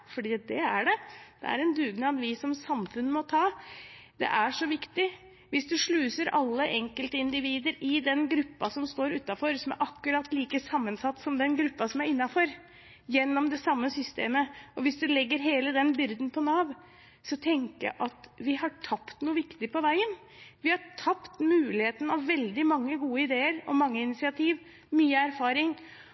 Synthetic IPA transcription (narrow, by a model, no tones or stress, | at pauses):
fɔɖiːd̪ɛæɖɛd̪̥ɛ̰æ̰ɾɛnd̪ʉːɡnəɑnʋɪsɔmsɑmfʉnːəmɔt̪ʰɑːd̪̥ɛ̰ʔæʂɔʋɪkt̪ɪ | ʋɪsd̪ʉʂɭʉːsəɾɑ̰lːəʔɛŋkəlt̪əɪnd̪ɪʋiːd̪əɾɪd̪ɛnɡɾʉpːɑsɔmst̪oːɾʉːt̪ːɑfɔɾsɔmæ̰ɾʔɑkːʉɾɑt̪ːliːkəsɑmːənsɑt̪ːsɔmd̪ɛnɡɾʉpːɑsɔmæɾɪnːɑfɔɾ | jɛnːɔmd̪ɛsɑmːəsʏst̪eːməɔʋɪsd̪ʉlɛɡːəɾɦeːləd̪ɛnbʏɾd̪npʰɔnɑːʋ | sɔt̪ʰɛŋkəjɑ̰ʔɑt̪ʋɪhɑʈʰɑpt̪nuːəʋɪkt̪ɪpʰɔʋæɪən | ʋɪhɑʈʰɑpt̪mʉːlɪheːt̪ən̩ɑʋːɛld̪ɪmɑŋːəɡuːəɪd̪eːəɾɔ̰mːɑŋːəɪnɪt̪sɪɑt̪ʰiːʋ | myːəæɾfɑːɾɪŋ